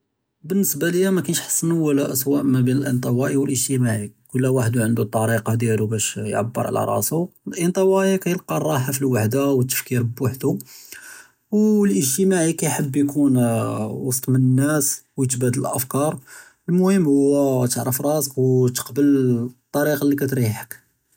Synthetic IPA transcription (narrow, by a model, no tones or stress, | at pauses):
bənːəsbaləjːæmækænəʃħɑ̥sˤːənuwəlæʔəswæʔmæbinəlʔint̪ˤɑwɑʔiwəlʔəʒt̪əmaʕikʊlːæwaħəd̪uʕənd̪ut̪ˤːɑɾiqɑd̪jælubæʃjʕa̰bːə̰ɾˤʕ̰la̰ɾˤɑ̰sulʔint̪ˤɑwɑʔikæjəlqɑrˤːɑħafilwaħd̪awət̪ːə̥fkiɾbwaħd̪u | wlʔəʒt̪əmaʕikæjħəbːjkʰunwɑsˤt̪ˤmənənːæswjət̪bæd̪ələlʔəfkɑɾˤ | lmʊhəmːhʊwːæt̪əʕɾəfɾˤɑsəkwt̪ə̥qbəlt̪ˤːɑɾiqɑlːikæt̪ɾiħək